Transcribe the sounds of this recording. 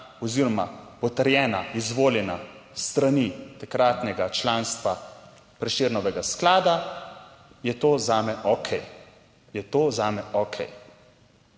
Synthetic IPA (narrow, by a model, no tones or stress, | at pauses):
ɔziːɾɔmapɔt̪əɾjɛːnaizʋoːljɛna | st̪ɾanit̪akɾaːt̪nɛɡat͡ʃlaːnst̪ʋa | pɾɛʃeːɾnɔʋɛɡasklaːd̪a | jɛt̪oːzaːmɛʔɔkʰɛj | jɛt̪oːzaːmɛʔɔkʰɛ̰j